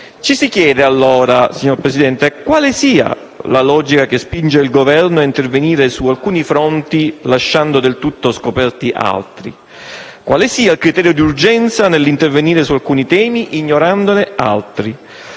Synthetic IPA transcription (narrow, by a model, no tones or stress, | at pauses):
t͡ʃisikjɛːd̪ealːoːɾasiɲːoɾpɾesid̪ɛnt̪ekwaːlesiːa̰ | lalɔːd͡ʒikak̟espind͡ʒeilɡovɛrnoaint̪erveniːɾesualkuːnifɾont̪ilaʃːand̪od̪elt̪ut̪ːoskopɛrt̪iʔa̰lt̪ɾḭ | kwaːlesiːailkɾit̪ɛːɾjod̪iurd͡ʒɛnt̪sanelːint̪erveniːɾesualkuːnit̪ɛːmiʔiɲːoɾand̪onea̰lt̪ɾi